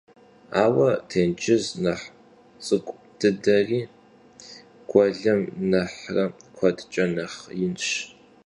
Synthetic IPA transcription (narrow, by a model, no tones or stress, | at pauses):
aːwɐtʰeːnt͡ʃʰʼɪznɐħ | t͡sʼɨkʷʼ | d̥ɨdɐriː | ɡ̥ʷɔɮɐmnɐħrɐkʷʰɐdt͡ʃʼɐnɐχjɪnɕ